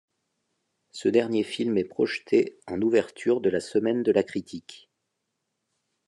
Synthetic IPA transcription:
səd̪ɛʁnjefilmɛpχɔʃt̪ʰeɑ̃nuvɛʁt̪ʰyʁd̪əlasəmɛnd̪əlakχit̪ʰik

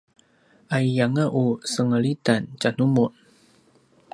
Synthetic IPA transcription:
ajjaŋaʔusəŋəlit̪ant͡ʃanumɔn

